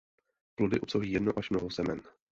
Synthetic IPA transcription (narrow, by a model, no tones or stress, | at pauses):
plodɪʔupsowɦiːjɛdnowʔaʃmnoɦowzɛmɛn